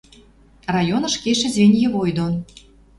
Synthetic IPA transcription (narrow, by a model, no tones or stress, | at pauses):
rɑjonɤ̆ʃkeʃĕzʲvʲenʲjĕβojd̪on